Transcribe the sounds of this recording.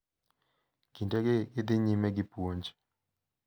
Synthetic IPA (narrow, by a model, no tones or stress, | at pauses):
kintɛɡeːd̪ɪɲimɛɡɪpwoɲd͡ʒ